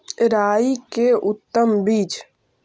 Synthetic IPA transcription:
ɾaːikeʔʊt̪ːəmbiːt͡ʃ

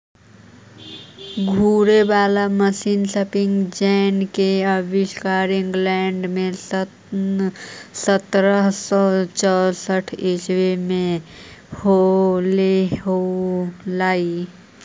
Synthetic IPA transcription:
ɡʱuːɾebaːlaməsinsəpɪŋɡd͡ʒɛːnkeəbɪʃkaːɾɪ̃ŋɡlɛːɳɖmẽ | sət̪ɾəɦsɔt͡ʃɔsəʈʰeswemẽ | holeɦo | laːi

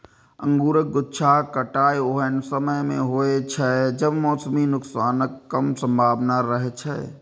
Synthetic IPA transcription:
ə̰̃ŋɡuːɾək̚ɡʊtːʃʰakəʈaːjoɦənsəməjmḛ̃ɦoːet͡ʃʰəd͡ʒəbmɔːsəminʊksaːnəkːəmsə̃mbʱaːbnaɾəɦɛt͡ʃʰɛ̰

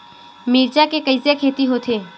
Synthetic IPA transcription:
miːɾd͡ʒakekəɪsekʰeːt̪iɦoːt̪ʰeː

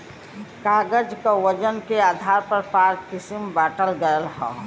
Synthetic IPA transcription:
kaːɡəd͡ʒkawəd͡ʒənkeaːd̪ʱaɾpəɾpaːɾ̚kɪsimbaːʈəlɡəjəlɦɔ̰̃

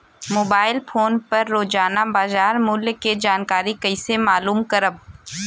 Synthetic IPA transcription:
moːbaːɪlfʰoːnpɐɾːoːd͡ʒaːnabaːzaːɾmʊljked͡ʒaːnkaːɾikɐɪsemaːluːmkɐɾəb

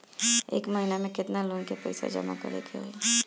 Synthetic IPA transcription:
ḛːkməɦinamẽkɪt̪nalunkepə̰ɪsa̰d͡ʒə̰ma̰kə̰ɾḛkʰeɦo̰e

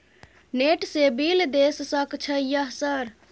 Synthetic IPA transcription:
neʈsebild̪essəkt͡ʃʰəjəɦsəɾ

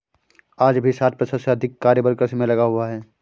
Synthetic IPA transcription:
aːd͡ʒbʱisaːt̪̚pɾəsəseɐd̪ʱɪkːaːɾjəbəɾkɾəsmẽlɐɡaɦuaɦɛː

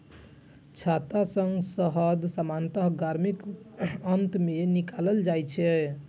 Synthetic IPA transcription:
t͡ʃʰat̪asəŋɡsəɦəd̪samant̪əɦɡaɾmikənt̪menikaləld͡ʒajt͡ʃʰɛ

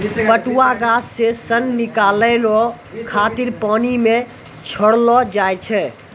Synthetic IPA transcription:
pəʈuwaɡasːesənːikaləlɔ | kʰat̪iɾpanime | t͡ʃʰəɽlɔd͡ʒajt͡ʃʰɛ

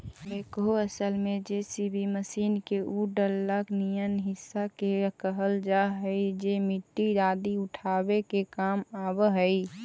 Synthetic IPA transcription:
beːkɦoəsəlmẽd͡ʒesibʱiməsiːnkeʔuɖəlːəknijənɦɪsːakekəɦəld͡ʒaɦəid͡ʒemiʈːiɾaːd̪iʊʈʰaːbekekaːmaːbəɦəi

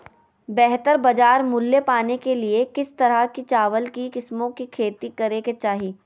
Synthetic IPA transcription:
bɛɦt̪əɾbɐd͡ʒaːɾmʊlːepaːnekeliekɪst̪ɐɾaɦkit͡ʃaːʋəlkikɪsmõkikʰeːt̪ikɐɾeket͡ʃaːɦiː

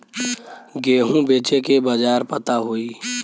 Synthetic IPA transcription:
ɡeːɦũbeːt͡ʃekebəd͡ʒaːɾpət̪aɦoːiː

